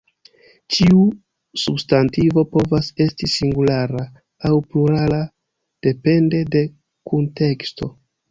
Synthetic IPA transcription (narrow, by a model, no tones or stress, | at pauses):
t͡ʃiu | substantivo̞po̞vase̞stisiŋɡulaɾaː | wpluɾala | d̥e̞pe̞nde̞de̞ | kunte̞ksto̞̰